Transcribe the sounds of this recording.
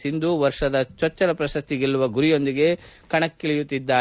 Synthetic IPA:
sind̪uʋɐɾʂɐd̪ɐt͡ʃɔt͡ʃːɐɾɐpɾɐsɐst̪iɡilːuʋɐɡuɾijo̞nd̪iɡe̞kɐɳɐkːiɭijut̪ːid̪ːaː

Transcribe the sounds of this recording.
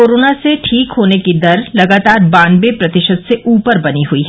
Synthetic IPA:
oːɾoːnaseʈʰiːkɦoːnekid̪ɐɾlɐɡaːt̪aːɾbãːnbepɾɐt̪ɪʃəd̪seʔuːpəɾbɐniɦuiɦɛ

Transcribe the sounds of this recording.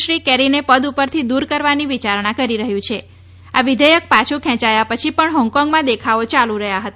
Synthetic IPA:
ɾikɛɾinepəd̪upəɾt̪ʰid̪uɾkəɾʋaniʋit͡ʃaɾɳãkəɾiɾəɦjũt͡ʃʰe | aʋɪd̪ʱəjək̚pat͡ʃʰũkʰɛ̃t͡ʃajapət͡ʃʰipəɳɦɔ̃ŋɡkɔŋɡmãd̪ekʰaot͡ʃalũɾəɦjaɦət̪a

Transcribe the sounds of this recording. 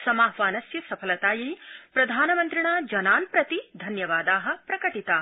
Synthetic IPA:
sɐmaːɦʋaːnɐsjɐsɐpʰɐlɐt̪aːjipɾɐd̪ʱaːnɐmɐnt̪ɾiɳaːd͡ʒɐnaːnpɾɐt̪id̪ʱɐnjɐʋaːd̪aːɦɐ̆pɾɐkɐʈit̪aː

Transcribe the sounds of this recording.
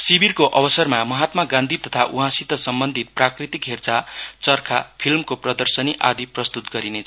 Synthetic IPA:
sibirkoʔʌbʌsʌrmamʌɦat̪maɡãnd̪ʱit̪ʌt̪ʰaʔuɦãsit̪ʌsʌmbʌnd̪ʱit̪̚prakrit̪ikɦert͡sat͡sʌrkʰa̰pʰilmkoprʌd̪ʌrsʌniʔa̰d̪iprʌst̪ut̪ɡʌɾinet͡sʰʌ

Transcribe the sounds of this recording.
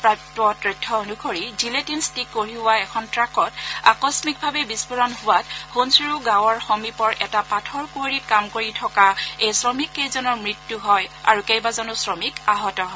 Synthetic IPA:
pɹajtɔtɹitʰːɔonukʰoɹiziletinstikːoɹibʊaɛkʰɔntɹakɔta̰kɔsmik̚bʱabɛbispuɹɔnɦʊwathonsiɹuɡãwɔɹxomipɔɹʔɛ̰tapatʰɔɹkoɹit̚kamkoɹitʰɔkaejsɹɔmikːejzɔnɔɹmɹitjuɦɔja̰ɹukejbazɔnʊsɹɔmikaɦɔtɔɦɔ

